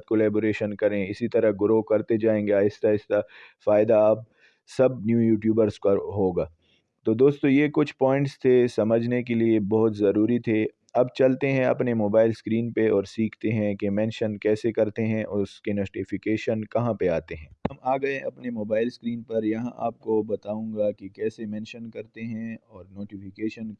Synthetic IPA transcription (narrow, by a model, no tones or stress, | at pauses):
t̪̚koːlɛːboːɾeːʃənkɐɾẽɪsit̪ɐɾəɦɡʊɾokɐɾt̪ed͡ʒaːẽːŋɡeaːɪst̪aɪst̪afaːɪd̪aːp̚ | sɐbnjuːjuːʈjuːbəɾzkɐɦoːɡaː | t̪oːd̪oːst̪õjekʊt͡ʃʰpɔːɪ̃ɳʈst̪ʰesɐməd͡ʒʱnek̬eliebɔɦʊt̪zɐɾuːɾit̪ʰe | ɐbt͡ʃɐlt̪eɦɛ̃ɐ̰pnemoːbaːɪlskɾiːnpeɔːɾsiːkʰt̪eɦɛ̃kemɛ̃ːnʃənkɛːsekɐɾt̪eɦɛ̃ʔʊskenoːʈifɪkeːʃənkɐɦãpeaːt̪eɦɛ̃ːɦɐmaːɡɐẽʔɐ̰pnemoːbaːɪlskɾiːnpɐɾjɐɦã̰ʔa̰ːp̚kobɐt̪aːũːŋɡakikɛːsemɛ̃ːnʃənkɐɾt̪eɦɛ̃ɔːɾnoːʈifɪkeːʃən